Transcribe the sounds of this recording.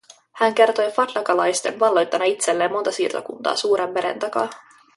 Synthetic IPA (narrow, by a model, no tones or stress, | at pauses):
hæŋke̞rt̪o̞jfɑt̪lɑkɑlɑjst̪e̞nʋɑlːo̞jt̪ːɑnːɑit̪selːeːmːo̞nt̪ɑsiːrt̪o̰kunt̪ɑ̰ːsuːɾʔemːe̞ɾe̞̰nt̪ɑkɑ̰